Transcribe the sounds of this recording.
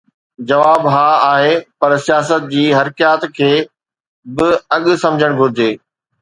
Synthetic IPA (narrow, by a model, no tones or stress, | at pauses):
d͡ʑɐʋaːbɦaːaːɦeːpɐɾsijaːsət̪̚d͡ʑiːɦɐɾkjaːt̪kʰeː | bɪɐɠʊ̆sɐ̃md͡ʑʱəɽ̃ɡʱʊɾɪd͡ʑeː